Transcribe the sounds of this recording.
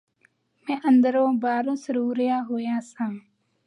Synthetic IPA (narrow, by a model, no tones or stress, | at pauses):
mɛ̃ːʔənd̪əɾõːbaːɾõːsəɾuːɾɪjaːɦoːjãːsãː